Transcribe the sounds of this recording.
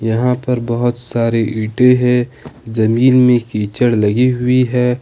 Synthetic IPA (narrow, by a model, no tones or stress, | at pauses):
jɐɦãpɐɾbɐɦʊt̪saːɾeʔiːʈeɦɛ̃ːzɐmiːnmẽkiːt͡ʃəɽlɐɡiɦʊiɦɛː